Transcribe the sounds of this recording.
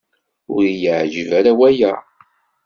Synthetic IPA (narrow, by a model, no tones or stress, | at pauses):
ʊɾijəʕʒəvæɾawæjæ